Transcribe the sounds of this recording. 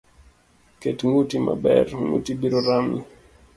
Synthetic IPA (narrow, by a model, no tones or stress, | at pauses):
kɛtŋutima̰bɛ̰ɾŋṵtibiɾɔɾami